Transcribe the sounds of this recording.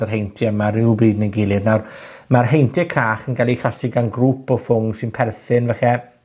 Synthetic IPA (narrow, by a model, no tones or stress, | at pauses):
ərɦejntʰiəmarɪwbriːdnəɡɪlˠɪdnawrmarɦejntʰɪkʰraːχənɡalˠixasiɡanɡruːpɔfʊŋsɪnpʰɛrθɪnvəxɛ